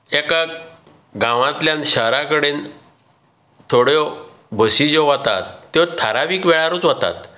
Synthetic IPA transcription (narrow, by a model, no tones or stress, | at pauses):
eka | ɡãʋãt̪ljãnɕəɦɾakəɽen | t̪ʰoɽjɔ | bʱəsid͡ʑɔʋat̪a̰t̪ːjɔt̪ʰaɾaʋiːkʋɛɭaɾuːt͡sʋat̪a̰t̪